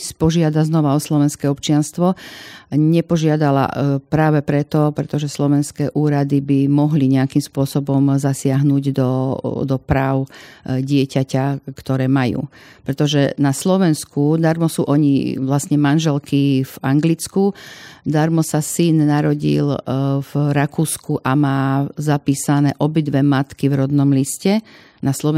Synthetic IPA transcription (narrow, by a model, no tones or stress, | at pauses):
spɔʒɪad̪aznɔʋaɔslɔʋɛnskɛːɔpt͡ʃɪanst̪ʋɔ | ɲɛpɔʒɪad̪ala̰pɾaːʋɛpɾɛt̪ɔpɾɛt̪ɔʒɛslɔʋɛnskɛːʔuːɾad̪ibimɔɦliɲɛakimspʊɔsɔbɔmzasɪaɦnuːɟd̪ɔd̪ɔpɾaːʊɟɪɛcacakt̪ɔɾɛːmajṵː | pɾɛt̪ɔʒɛnaslɔʋɛnskud̪aɾmɔsṵːʔɔɲḭʋlasɲɛmanʒɛlkivaŋɡlit͡skud̪aɾmɔsasinnaɾɔɟḭlvɾakuːskuʔamaːzapiːsanɛːʔɔbid̪ʋɛmat̪kivɾɔd̪nɔmliscɛ | naslɔ